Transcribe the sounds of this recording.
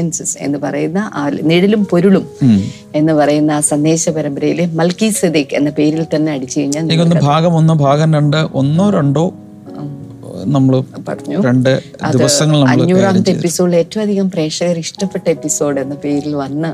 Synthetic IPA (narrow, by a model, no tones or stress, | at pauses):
ensɨse̞̰nːɨpɐrɐjunːɐʔaːlniɽilumpo̞ɾuɭum | e̞nːɨpɐrɐjunːɐaːsɐnːe̞ːɕɐpɐɾɐmbɐɾɐjilemɐlkised̪ikenːɐpe̞ːɾilt̪ɐnːeɐɽit͡ɕːɐjiɲːaːlenikʲːonːɨbʱaːɡɐmonːobʱaːɣɐnɾeɳɖɨʔonːoɾeɳɖoː | nɐmːɐɭpɐ̰rɐɲːuɾeɳɖɨ | dɐ̰d̪iðɨʋɐsɐŋːɐɭnɐɐ̰ːuːraːmɐt̪ːɨepːiso̞ːɖɨe̞ːtːɐʋɐmɐd̪ʱiɣɐmpre̞ːʂɐɣɐriʂʈɐpːeʈːɐepːiso̞ːɖɨe̞nːɐpe̞ːɾilʋɐnːɨ